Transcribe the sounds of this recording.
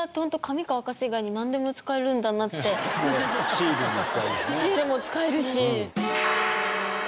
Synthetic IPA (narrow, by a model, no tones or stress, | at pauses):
at̪ːehõnt̪okʰamʲikaβakaɕiɡaiɲ̟inãnd̪e̞mo̞t͡sɨ̥kae̞ɾɯ̟̃nd̪anat̪ːe̞ | iɾemot͡skaeɾɯ̰ɕiːɾemo̞t͡sɨ̥kae̞ɾɯ̟ɕi